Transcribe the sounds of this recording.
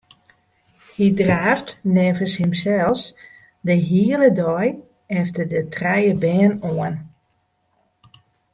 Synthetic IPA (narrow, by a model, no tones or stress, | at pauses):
hidraːftnɛːvəshɪmsɛlˠs | dəɦiələdɔj | ɛftərdətrɛjəbɛːnoən